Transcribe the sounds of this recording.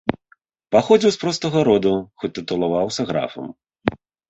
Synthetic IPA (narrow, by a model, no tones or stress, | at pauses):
paxɔd͡zʲiwspɾɔst̪ɐɣɐɾɔd̪uxɔt̪ːɨt̪ulˠavawsʲɐɣɾa̰fɐ̰m